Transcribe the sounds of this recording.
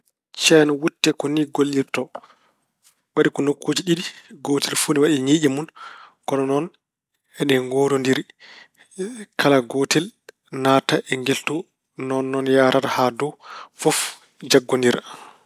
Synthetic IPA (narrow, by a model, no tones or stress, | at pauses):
t͡ʃɛnɔwutːɛkɔniɡolːiɾtɔ | ɓaɗikɔnokʰːoːd͡ʒiɗiɗiɡoːtɛlfuniwaɗɛɲiɗimunkɔnɔnɔn | ɛɗɛŋɡɔdɔndiɾi | kʰalaɡotɛl | naːtaʔɛŋɡeltɔ | nɔnːɔnjaːɾatahadɔfɔf | d͡ʒaɡːɔndiɾa